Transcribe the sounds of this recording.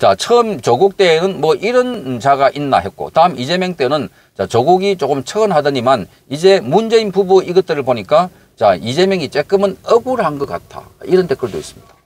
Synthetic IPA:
t͡ɕat͡ɕʰʌmt͡ɕʌɡuk̚t͈e̞ːnɯnmʌʔiɾʌnt͡ɕaɡaʔinːa̰ɦe̞t̚k͈o̰taɯmid͡ʑe̞mjʌŋt͈enɯn | t͡ɕat͡ɕʌɡuɡit͡ɕokɯmt͡ɕʰʌɯnɦadɯɲiman | id͡ʑe̞mund͡ʑe̞inpubuiɡɯt̚t͈ɯɾɯɭpoɲik͈a | t͡ɕaid͡ʑe̞mjʌŋit͡ɕ͈e̞k͈ɯmɯnʌbuɾɦanɡʌk͈a̰tʰa̰ | iɾʌntʰe̞k͈ʰɯɭdoḭs͈ɯ̥mɲid̥a

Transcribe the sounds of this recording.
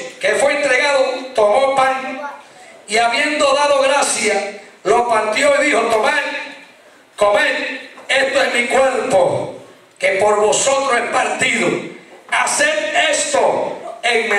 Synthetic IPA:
ke̞fweent̪ɾe̞ɣaðot̪o̞mo̞paŋ | iaβje̞nd̪o̞ðaðo̞ɣɾasjalo̞paɾt̪jo̞iðihot̪o̞meɾ | komẽɾe̞st̪oesmikwe̞ɾpo | ke̞po̞ɾβo̞so̞t̪ɾosespaɾt̪iðoaseɾest̪oeŋme

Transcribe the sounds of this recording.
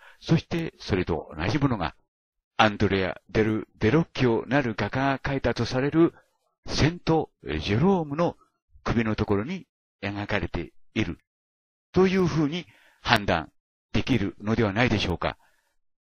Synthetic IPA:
so̞ɕi̥t̪e̞so̞ɾe̞t̪o̞̰o̰na̰ʑimo̞no̞ɡa̰ | ãnd̪oɾeja̰d̪e̞ɾɯ̟d̪e̞ɾo̞kʲːio̞naɾɯ̟ɡakaakait̪at̪o̞saɾe̞ɾɯ̟ | sẽ̞nt̪o̞ʑeɾo̞ːmɯ̟no̞ | kɯ̟bʲino̞t̪o̞ko̞ɾo̞ɲ̟i | eŋakaɾe̞t̪e̞̰iɾɯ̟ | t̪o̞jɯ̟ːɸɯ̟ːɲ̟i | hãnd̪ã̰n | d̪̥e̞kʲiɾɯ̟no̞d̪e̞βanaid̪e̞ɕo̞ːka̰

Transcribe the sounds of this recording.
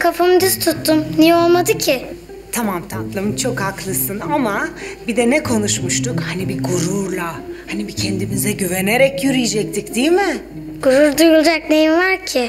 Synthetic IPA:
kʰafamɯd̪yst̪ʰut̪ːumnijɛo̞lˠmad̪ɯcʰɪ | t̪ʰamamt̪ʰant̪lˠɯmɯnt͡ʃʰo̞khaklˠɯsɯnamabid̪ɛnɛkʰo̞nuʃmuʃt̪ʰukhanibiɡuɾuɾlˠahanibicʰɛnd̪imizɛɟyveneɾɛcjyɾijd͡ʒɛc̚t̪ʰicd̪ijmɪ | ɡ̥uɾuɾd̪ujulˠd͡ʒaknejinvaɾcʰɪ

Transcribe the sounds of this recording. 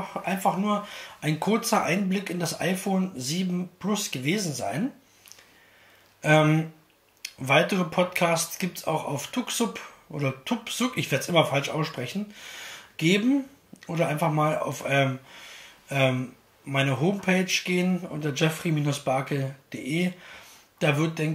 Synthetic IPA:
χʔaɪnfaχnuːɐʔaɪnkʰʊɐt͡sɐʔaɪnblɪkɪndasʔa̰ɪfoːnziːbm̩pʰlʊsɡ̥əveːzn̩za̰ɪn | ʔɛːm | vaɪtəʁəpʰɔtkʰaːstt͡sɡ̥iːp̚tsa̰ʊxa̰ʊftʰʊkz̥ʊpʔo̰ːdɐtʰʊpz̥ʊkɪçv̥eɐdəsʔɪmɐfalʃʔa̰ʊsʃpʁ̥ɛçn̩ | ɡ̥eːbm̩ | ʔoːɾɐʔaɪnfaχmaːla̰ʊfʔɛː | ʔɛːmː | aɪnəɦoːmpʰeːt͡ʃɡ̥eːənʔʊ̰ntɐd͡ʒɛfʁ̥imiːnʊsb̥aɐkəd̥eːʔeː | d̥aːvɪɐt̚d̥ɛŋ

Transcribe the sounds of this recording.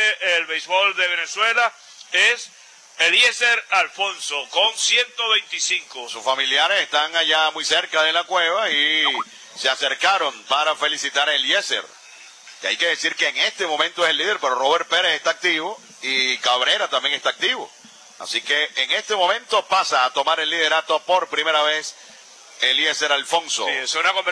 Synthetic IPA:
ʔelβejzβo̞ld̪eβeneswela | es | eljeseɾalfonsokoŋsjent̪oβejnt̪isiŋkosusfamiljaɾese̞st̪aŋaʝamujse̞ɾkaðe̞lakwe̞β̞ai | seaseɾkaɾo̞mpaɾafe̞lisit̪aɾeljesḛɾ | kea̰jke̞ðesiɾkeːŋest̪e̞mõ̞mẽnt̪oeselːiðeɾpe̞ɾoroβeɾ̚peɾesest̪aːk̚t̪iβo̞ | ikaβɾe̞ɾat̪ambje̞ŋest̪ak̚t̪iβo̞̰ | a̰sike̞ːŋe̞st̪e̞mõ̞mẽnt̪o̞pasaːt̪o̞maɾe̞lːiðe̞ɾat̪opo̞ɾpɾime̞ɾaβes | elje̞seɾalfo̞ŋso̰sunakom

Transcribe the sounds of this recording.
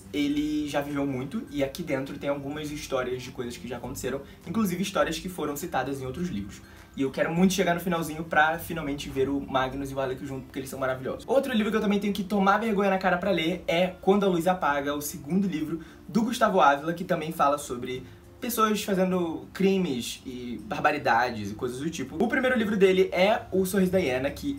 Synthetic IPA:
elɪʒavivewmũj̃t̪ʊɪakid̪ẽnt̪ɾʊt̪ẽj̃awɡũmɐziʃt̪ɔɾiɐzd͡ʒɪkojzɐskɪʒaːkõnt̪e̥seɾɐ̃w̃ | ĩkluzivɪːʃt̪ɔɾiɐskɪfoɾɐ̃w̃sit̪ad̪ɐzẽj̃owt̪ɾʊzlḭvɾʊs | ɪewkɛɾʊmũj̃t̪ʊ̥ʃeɡaɾnʊfinawzĩɲʊpɾɐfinawmẽnt͡ʃɪveɾʊmaɡinʊzɪvalekʊʒũt̪ʊ̥pʊ̥keelɪsɐ̃w̃maɾavilʎɔ̰zʊʃowt̪ɾʊlivɾʊk̬ɪewt̪ɐ̃mẽj̃t̪ẽɲʊkɪt̪omaɾvehɡõɲɐnakaɾɐpɾɐleɾɛkwɐ̃nd̪ʊɐluijzapaɡɐʊsɪɡũnd̪ʊlivɾʊ | d̪ʊɡuʃt̪avʊavilɐkɪt̪ɐ̃mbẽj̃falɐsobɾɪ | pesoɐsfazẽnd̪ʊkɾĩmɪsɪbahbaɾid̪ad͡ʒɪzɪkojzɐzd̪ʊt͡ʃipʊʊpɾimejɾʊlivɾʊd̪elɪʔɛʊsohɦizʊd̪ajenɐkʰɪ

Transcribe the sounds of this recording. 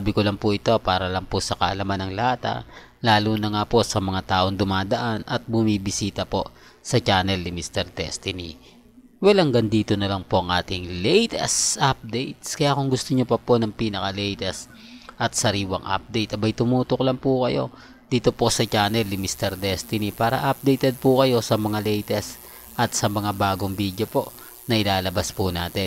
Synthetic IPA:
bɪkolɐŋpuʔɪt̪o̞paːɾɐlɐŋpʊsɐkɐʔɐlɐmanɐŋlaːt̪ɐ̰ʔ | laːluːnɐŋaːpo̞sɐmɐŋat̪aːʔo̞ŋd̪ʊmaːd̪ɐʔanɐt̪̚bʊmiːbɪsiːt̪ɐpo̞ʔ | sɐt͡ʃaːnɛlnɪmist̪ɛɾd̪ɛ̰st̪ɪnḭ | wɐlaŋɡɐnd̪iːt̪o̞nɐlɐŋpo̞ʔɐŋʔaːt̪ɪŋlɛjt̪ɛ̰sʔap̚d̪ɛjt̪̚skɐjakʊŋɡʊst̪oɲopɐponɐŋpiːnɐkɐlɛjt̪ɛs | ʔɐt̪̚sɐɾiːwɐ̰ŋʔɐ̰p̚d̪ɛjt̪ɐbɐjt̪ʊmuːt̪oklɐŋpukɐjo̞̰ | d̪̥iːt̪o̞po̞sɐt͡ʃaːnɛlnɪmist̪ɛɾd̪ɛst̪ɪnipaːɾɐ̰ʔap̚d̪ɛjt̪ɛd̪̚pukɐjo̞sɐmɐŋalɛjt̪ɛs | ʔɐt̪sɐmɐŋabaːɡo̞ŋbiːd̪jopo̞ʔ | nɐʔɪlaːlɐbaspunaːt̪ɛ

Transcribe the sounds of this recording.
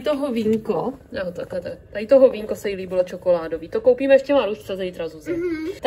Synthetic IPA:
t̪oɦoviːŋkojot̪akɛt̪akt̪ajɪt̪oɦoviːŋkosɛjɪliːbɪlot͡ʃokolaːdoviːt̪okowpiːmɛɛʃcɛmaɾust͡sɛt̪ɛɪt̪ɾazuzɛt̪

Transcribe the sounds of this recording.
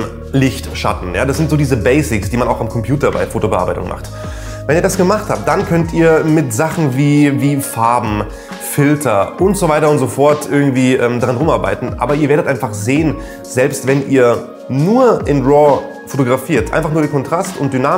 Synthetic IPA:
lɪçtʃa̰tn̩ja̰ːdasz̥ɪntz̥oːdiːzəbɛɪsɪksd̥iːmanaʊxamkʰɔmpʰj̥uːtɐba̰ɪfoːtobəʔa̰ɐbaɪtʊ̰ŋma̰χt | vɛniːɐdasɡ̥əmaχthaːp̚t̚d̥ankʰœntiːɐmɪtz̥aχn̩viːviːfaɐbm̩ | fɪltʰɐʔʊntz̥ovaɪtɐʊntz̥ofɔɐtʔɪɐɡŋ̩tv̥iːʔɛːmdaʁanʁʊmʔaɐba̰ɪtn̩ʔa̰ːbɐiːɐveːɐɾətʔaɪnfaχzeːən | z̥ɛlpstv̥ɛnʔḭːɐ | nuːɐʔɪnʁɔ | fotoɡʁafiːɐtʔa̰ɪnfaχnuːɐɾeːnkʰɔntʁ̥astʊ̰nt̚d̥ynaː

